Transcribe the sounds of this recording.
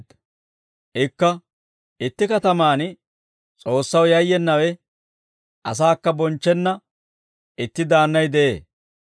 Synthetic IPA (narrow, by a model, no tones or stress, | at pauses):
ʔɪkːɐ | ɪt̪ːɪkɐt̪ɐmaːn | t͡sʼo̞ːsːɐwjɐjːɛnːɐwɛ | ʔɐs̬aːkːɐbɔnt͡ʃːɛnːɐ | ɪt̪ːɪd̪aːnːɐjd̪ɛʔḛː